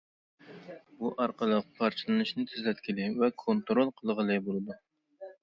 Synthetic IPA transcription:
buʔɑɾqʰəlˠəqqʰɑɾt͡ʃʰɨlˠɨnɨʃnɨt̪ʰyzlɛt̪̚kʲʰilɪvɛkʰont̪ɾolˠqʰəlˠʁəlˠɨjbolˠɨd̪u

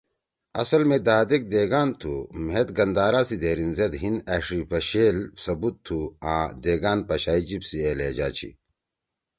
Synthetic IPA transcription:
ɐ̰sɐlmed̪aːd̪ek̚d̪eːɡaːnt̪ʰumet̪ɡɐnd̪aːɾaːsid̪eːɾinzed̪ɦinɐʂɾipɐɕeːlsɐbut̪ʰːuã̰ːd̪eːɡaːnpɐɕaːid͡ʑibsieːleːd͡ʑa̰ːt͡ɕʰḭ

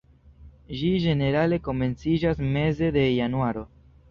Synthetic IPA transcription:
ʒid͡ʒe̞ne̞ɾale̞ko̞me̞nt͡sid͡ʒasme̞ze̞de̞januaɾo̞

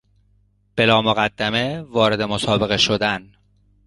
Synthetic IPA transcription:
b̥e̞lɒːmoɣæd̪ːæme̞vɒːɾe̞d̪emosɒːbe̞ɣe̞ʃod̪æn

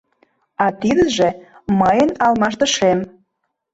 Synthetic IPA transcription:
ɑt̪id̪əʒĕmɑjənɑlmɑʃt̪ə̆ʃem

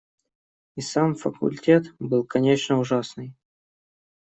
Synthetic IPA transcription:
isamfəkʊ̰lʲtʲe̞t̪bɨlˠkɐnʲet͡ɕnəʊʐasnɨj

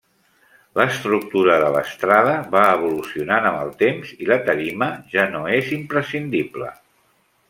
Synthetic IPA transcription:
ləst̪ɾuk̚t̪uɾəðələ̰st̪ɾaðəβaəβ̞ulusiunanəməlˠt̪emz̥ilət̪əɾiməʒanoezimpɾəsind̪iplə̰

